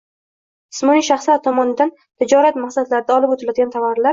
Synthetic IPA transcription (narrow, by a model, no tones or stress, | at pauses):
ɪsmɒniʃaχslaɾt̪ʰɒmɒnɪd̪an | t̪ʰɪd͡ʒɒɾat̪mahsad̪laɾɪd̪aɒlɪpot̪ʰɪlad̪ɪɡʲant̪ʰavaɾlaɾ